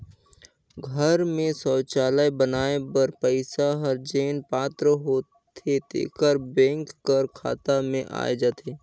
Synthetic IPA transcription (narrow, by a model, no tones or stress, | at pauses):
ɡʱəɾmẽsɔːt͡ʃaːlajbənaːebəɾpəɪsaɦəɾd͡ʒeːnpaːt̪ɾəɦoːt̪ʰet̪ḛːkəɾbɛ̃ːŋkːəɾkʰa̰ːt̪amẽʔa̰ːed͡ʒaːt̪ʰeː